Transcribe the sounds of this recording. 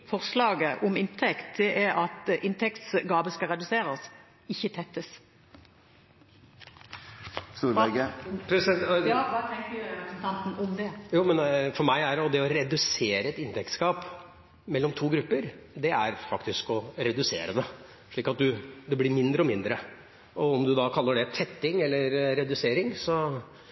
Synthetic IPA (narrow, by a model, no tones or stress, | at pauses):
fɔʁslɑːɡəʔɔmɪnt̪ʰɛkt̪̚d̪ɛʔɛɾɑt̪ʔɪnt̪ʰɛkt̪sɡɑːbəskɑɾɛd̪ʉseːɾəs | ɪçːət̪ʰɛt̪ːəs | st̪uːɾɛɡəpʰɾɛsɛjɑʋɑt̪ʰɛŋkəɾʉɾɛpɾəsɛnt̪ʰɑnt̪n̩ɔmd̪ɛjuːmɛnfɔɾmæɪæɾɔd̪ɛɔɾɛd̪ʉseːɾəɛt̪ɪnt̪ʰɛk̚t̪skɑːp | mɛlːɔmt̪ʰuːɡɾʉpːəɾd̪ɛæɾfɑkt̪ɪskɔɾɛd̪ʉsḛːɾəd̪ə | ʂɭiːkɑt̪̚d̪ʉd̪ɛblɪɾmɪnd̪ɾəɔmɪnd̪ɾə | ʔɔɔmd̪ʉd̪ɑkʰɑlːəɖɛt̪ʰɛt̪ːɪŋɛlːəɾɾɛd̪ʉseːɾɪŋsɔ